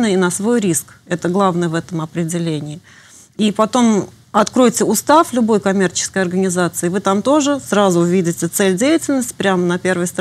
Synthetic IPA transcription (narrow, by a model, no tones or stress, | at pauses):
nəɪnəsvo̞jɾʲisk | ɛt̪əɡlˠavnəjəvɛt̪əmɐpɾʲɪdʲɪlʲenʲɪː | ipɐt̪o̞m | ɐt̪kɾo̞jtʲɪʊst̪aflʲʊbo̞jkɐmʲe̞rt͡ɕɪ̥skəjɐrɡənʲɪzat̪sɨɪvɨt̪amt̪o̞ʐɨsɾazʊʊvʲidʲɪtʲɪt̪sɛlʲdʲejɪtʲɪlʲnəsʲtʲpɾʲamnɐpʲe̞rvəjst̪